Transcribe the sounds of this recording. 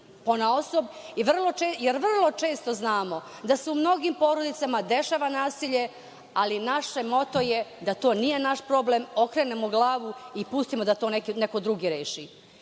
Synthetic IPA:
ponaosob | iʋr̩lˠot͡ʃejeɾʋr̩lˠo̞t͡ʃe̞ːst̪o̞znaːmo̞ | d̪aseumno̞ɡimpo̞ːɾod̪it̪samad̪e̞ʃaʋanaːsiʎe̞ | alinaʃemo̞t̪ojed̪at̪o̞ːnije̞naʃpɾo̞blemo̞kɾe̞nemoɡlˠaːʋuipust̪imod̪at̪o̞ːnekineko̞d̪ɾuɡiɾeːʃi

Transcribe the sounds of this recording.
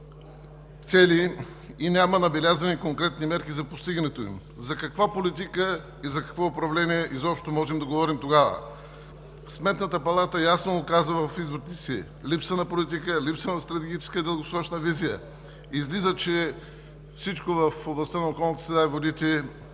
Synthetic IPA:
t̪sɛliː | nʲamənɐbɛlʲazɐnikoŋkɾɛt̪nimɛɾkizɐpost̪iɡənɛt̪oḭm | zɐkɐkvapolit̪ikə | izɐkɐ̥kvɔʊpɾɐvlɛniɛʔizɔpʃt̪omɔʒɛmd̪ɐɡovɔɾimt̪oɡavə̰ | smɛt̪nət̪əpɐlˠat̪əjasnoːkazvəvɐfizvot̪t̪ɛsi | lipsvənɐpolit̪̬ikəlipsvənɐst̪ɾɐt̪ɛɡʲit͡ʃɛ̥skəid̪əlˠɡosɾɔt͡ʃnəvizijə | izlizət͡ʃɛ | fsit͡ʃkovɐfoblˠɐst̪anɐokɔlˠnət̪ə̥sɾɛd̪aivod̪it̪ɛ

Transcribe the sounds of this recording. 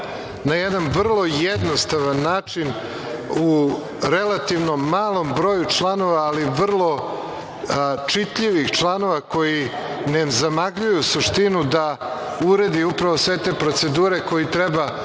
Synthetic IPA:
najed̪anʋr̩lˠo̞jed̪nost̪aʋanːaːt͡ʂin | u | ɾelˠat̪iʋnomːaːlˠo̞mbɾo̞ːjut͡ʂlˠano̞ʋaːliʋr̩lˠo̞ | t͡ʂit̪ʎiʋixt͡ʃlˠano̞ʋako̞ji | nezamaɡʎujusuʂt̪inud̪a | uɾed̪iupɾaʋo̞sʋe̞t̪e̞ːpɾo̞t̪se̞d̪uːɾe̞ko̞jit̪ɾeba

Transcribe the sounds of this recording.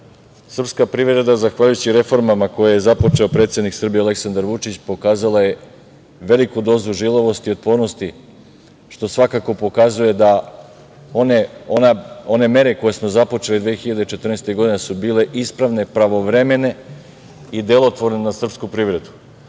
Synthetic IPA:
sr̩pskapɾiʋɾe̞d̪azaxʋaʎujut͡ɕiɾe̞fo̞ɾmamako̞jaje̞zapo̞t͡ʃe̞o̞pɾet̪sje̞d̪niksr̩bijeale̞ksand̪aɾʋut͡ʃit͡ɕpo̞kaːzalaje̞ | ʋe̞likud̪o̞ːzuʒilˠoʋo̞st̪iot̪̚po̞ɾno̞st̪i | ʃt̪o̞sʋakako̞po̞kazuje̞d̪a | oneonao̞ne̞me̞ɾe̞ko̞je̞smo̞zapo̞t͡ʃe̞lid̪ʋeːxiʎad̪et͡ʃe̞t̪r̩nest̪eɡo̞d̪inesubiːle̞ʔispɾaʋne̞pɾaʋo̞ʋɾeme̞ne̞ | id̪elˠot̪ʋo̞ɾnenasr̩pskupɾiʋɾe̞d̪u̥

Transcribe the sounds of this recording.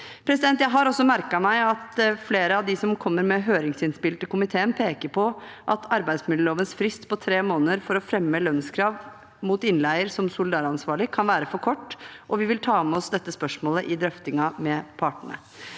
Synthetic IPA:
pʰɾɛsɪd̪ɛnt̪jæɪɦɑɾɔsːɔmæɾkɑmæɪɑt̪fleːɾəɑʋd̪ɪsɔmkʰɔmːəɾmɛɦøːɾɪŋsɪnspɪlt̪əkʊmɪt̪ʰeːənpʰeːkəɾpʰɔʔɑt̪ʰɑɾbæɪsmɪlːəɭoːʋənsfɾɪst̪pʰɔt̪ʰɾeːmoːnəɾfɔɾɔfɾɛmːəlœnskʰɾɑːʋ | muːt̪ɪnlæɪəɾsɔmsʊlɪd̪ɑːɾɑnsʋɑːɭɪkʰɑnʋæːɾəfɔɾkʰɔʈːʔɔʋɪʋɪlt̪ʰɑːmɛɔsd̪ɛt̪ːəspœʂmoːləʔɪd̪ɾœft̪ɪŋɑmɛpʰɑʈəɳə̰

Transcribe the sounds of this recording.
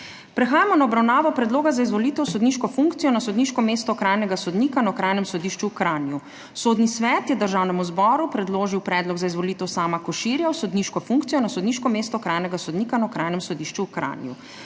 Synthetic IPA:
pɾɛxaːjamɔnaɔbɾawnaːʋɔpɾɛd̪loːɡazaizʋɔlit̪ɛwsɔd̪niːʃkɔfuŋkt̪sijɔnasɔd̪niːʃkɔmeːst̪ɔkɾaːjnɛɡasɔd̪niːkanakɾajnɛmsɔd̪iʃt͡ʃuwkɾaːnju | soːd̪nisʋɛːt̪jɛd̪əɾʒaːwnɛmuzbɔɾupɾɛd̪loːʒiwpɾɛːd̪lɔɡzaizʋɔliːt̪ɛwsaːmakɔʃiɾjawsɔd̪niʃkɔfuŋkt̪ijɔnasɔd̪niːʃkɔmeːst̪ɔkɾaːjnɛɡasɔd̪niːkanakɾaːjnɛmsɔd̪iʃt͡ʃukɾa̰njṵ

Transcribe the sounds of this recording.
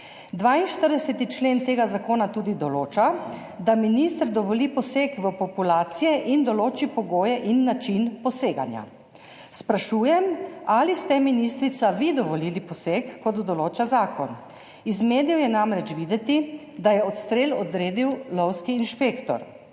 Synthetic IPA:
d̪ʋainʃt̪əɾd̪ɛsɛt̪it͡ʃleːnt̪eːɡazakoːnat̪uːd̪id̪ɔloːt͡ʃa | d̪aminist̪əɾd̪ɔʋɔlipɔsekʋəpɔpulaːt̪sijɛʔind̪ɔloːt͡ʃipɔɡoːjɛʔinːat͡ʃinpɔseːɡa̰nja̰ | spɾaʃuːjɛmalist̪ɛminist̪ɾit̪saʋid̪ɔʋɔliːlipɔsekːɔd̪d̪ɔloːt͡ʃazaːkɔn | izmeːd̪ijɔjɛnamɾɛt͡ʃʋiːd̪ɛt̪i | d̪ajɛɔt̪st̪ɾeːlɔd̪ɾeːd̪iwlɔwskiːnʃpeːkt̪ɔ̰ɾ

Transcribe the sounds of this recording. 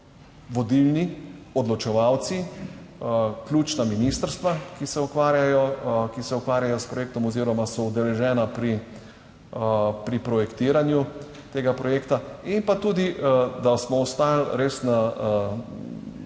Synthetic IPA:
ʋɔd̪ilniɔd̪lɔt͡ʃɛʋawt̪si | klʲuːt͡ʃnaminist̪əɾst̪ʋakisɛukʋaːɾjajɔkisɛukʋaːɾjajɔspɾɔjeːk̚t̪ɔmɔziːɾɔmasɔud̪ɛlɛʒɛːnapɾi | pɾipɾɔjɛkt̪iːɾanju | t̪eːɡapɾɔjeːkt̪aimpat̪uːd̪id̪asmɔɔst̪aːjalɾesna

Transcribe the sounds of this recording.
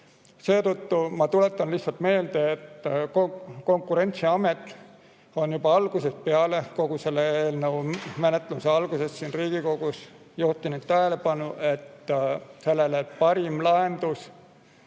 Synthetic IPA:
se̞ːt̪ut̪ːumɑt̪ule̞t̪ːˑɑnliçht̪sɑlt̪me̞ːld̪̥eːt̪ːkoko̞ŋkːuɾe̞nʲt̪siɑmet̪ːˑ | o̞njubɑɑlɡ̥use̞speɑle̞ko̞ɡ̥use̞lːeeːlnəwmenet̪ːˑluseɑlɡuse̞sːiːnriːɡ̥iko̞ɡ̥us | juht̪inut̪̚t̪ːæɦele̞pɑnuʔe̞t̪ːse̞lːelepɑɾimlɑe̞nd̪us

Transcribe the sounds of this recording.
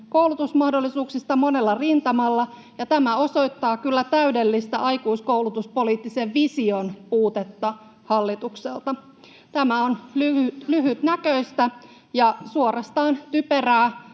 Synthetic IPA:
kowlut̪usmɑhdo̞lːisuːksist̪ɑmo̞ne̞lːɑrint̪ɑmɑlːɑ | jɑt̪æmæo̞so̞jt̪ːɑːkylːæt̪æyde̞lːist̪æʔɑjkuiskowlut̪uspo̞liːt̪ːiseʋʋisio̞npuːt̪et̪ːɑ | hɑlːit̪ukselt̪ɑ | t̪æmæonlyytlyɦyt̪nækøist̪æ | jɑsuorɑst̪ɑːnt̪yperæː

